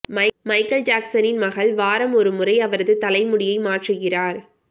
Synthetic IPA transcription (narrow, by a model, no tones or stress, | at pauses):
mɐɪmɐɪkːɐld͡ʒaːksɐnɪnmɐɣɐlʋaːɾɐmɔɾɯmʊrɐɪɐʋɐɾɐðɯt̪ɐlɐɪmʊɽɪjɐɪmaːʈrɯɣɪraːɾ